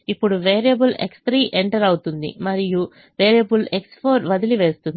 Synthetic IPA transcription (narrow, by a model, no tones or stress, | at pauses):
ipːuɽuʋeːɾijɐbule̞̰kst̪ʰɾiːʔeɳʈɐɾɐwut̪und̪ḭmɐɾiju | ʋeːɾijɐbulekspʰoːɾʋɐd̪iliʋe̞ːst̪und̪i